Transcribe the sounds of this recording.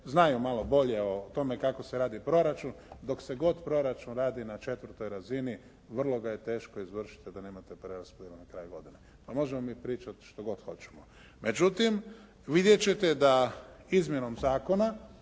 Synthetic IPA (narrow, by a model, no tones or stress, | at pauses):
znajumalˠo̞bo̞ʎeot̪o̞me̞kako̞seɾaːd̪ipɾo̞ɾat͡ʃund̪o̞kse̞ɡo̞d̪pɾo̞ɾat͡ʃunɾaːd̪inat͡ʃe̞t̪ʋr̩t̪o̞jɾazini | ʋr̩lˠo̞ɡaje̞t̪e̞ːʃkoizʋr̩ʃi̥t̪id̪aneːmat̪epɾeɾaspod̪eenakɾaːjuɡo̞d̪ine̞ | pamo̞ʒemomipɾiːt͡ʃat̪ʃt̪o̞ɡo̞d̪xo̞t͡ʃe̥mo | me̞d͡ʒut̪im | ʋid̪je̞t͡ʃe̞t̪ed̪aizmjeno̞mzaːko̞na